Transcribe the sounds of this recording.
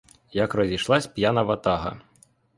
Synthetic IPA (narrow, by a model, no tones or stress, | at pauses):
jɐkrɔzʲiʃlˠɑsʲpʲjanɐʋɐt̪ɑɦɐ̰